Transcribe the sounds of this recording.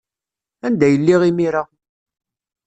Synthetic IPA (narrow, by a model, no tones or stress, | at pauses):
ænd̪æjəlːiʁimiɾa